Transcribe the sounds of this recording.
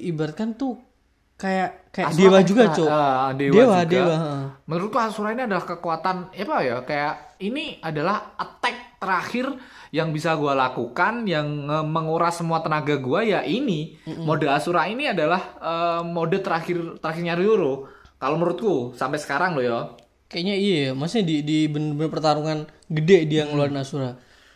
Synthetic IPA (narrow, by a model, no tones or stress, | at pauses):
ibat̪̚kant̪u | kajaʔkajaadewad͡ʒuɡat͡ʃoədewewadɡeawaəmənɾʊt̪̚kuasuɾahiniadalahkəkuat̪anepajakajaʔiniadalahət̪ɛk̚t̪əɾaxɪrjaŋbisaɡualakukanjaŋəməŋuɾasəmuat̪ənaɡaɡuajaʔinimodəasuɾainiadalahəmodɛt̪əɾaxɪrt̪əɾaxɪrɲaɾd͡ʒuɾʊkaloməəɾʊt̪̚kusampɛsə̥kaɾaŋlʊjo | kajaɲaijamasɲadidibənbənəpərt̪aɾuŋan | ɡədɛdijaŋəluardnasuɾa